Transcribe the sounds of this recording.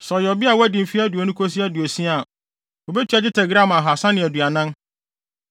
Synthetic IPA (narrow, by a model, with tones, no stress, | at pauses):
sɔ˨jɔ˨bi˦a˨wæ˦dĩ˨fi˦æ˦du˨o˨nʊ̃˦kʰo˦s̬i˦æ˦du˨o˨sĩ˦a˨ | o˨bɛ˦t͡ɕʰi˦a˨d͡ʑɪ˦tʰɛ˨ɡɾã˦mã˨ɦa˨sã˦nɪ̃˨æ˨du˨a˨nã˦n